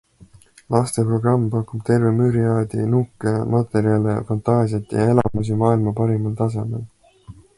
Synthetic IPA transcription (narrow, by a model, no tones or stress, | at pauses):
lɑst̪e̞pro̞ɡ̥rɑmːpɑkub̥t̪e̞rvemyːɾiɑːd̪̥inukːˑemʔɑt̪e̞ɾiɑlḛfɑnt̪ˑɑːsiɑt̪jɑ̰e̞lɑ̰mus̬imɑːilmɑpɑɾimɑlt̪ɑs̬e̞me̞̰l